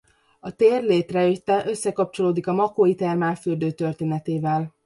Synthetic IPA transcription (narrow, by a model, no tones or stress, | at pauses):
ɒt̪eːrleːt̪rɛet̪ːɛʔø̞sːɛkɒp̚t͡ʃo̞loːd̪ikɒmɒkoːit̪ɛrmaːfyrd̪øːt̪ø̞rt̪eːnɛt̪eːvɛl